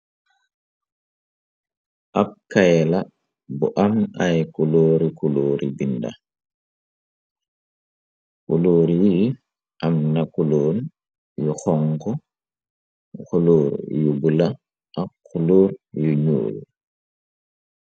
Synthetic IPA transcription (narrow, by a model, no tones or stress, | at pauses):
ʔap̚kajɛla | bɔʔamajkuloːɾikuloːɾʔibinda̰ | kuloːɾiji | ʔamnakuloːn | juxɔŋkɔ | kuloːɾjuɡula | ʔakuloːɾjuɲo̰ːlu